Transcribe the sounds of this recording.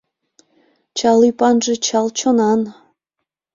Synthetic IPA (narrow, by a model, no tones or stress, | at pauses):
t͡ɕɑlypɑnʒĕt͡ɕɑlt͡ɕonɑn